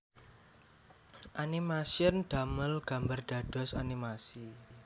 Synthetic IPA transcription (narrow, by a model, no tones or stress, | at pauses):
ʔanimasiənɖ̪̥a̤məlɡ̥a̤mbarɖ̥a̤ɖ̥ɔ̤sa̰nimasi